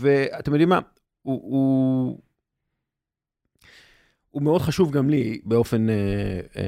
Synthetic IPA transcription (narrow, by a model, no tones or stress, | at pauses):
veat̪emjodima̰ | uu | umeo̞d̪χaʃuvɡamlibeo̞fe̞nḛ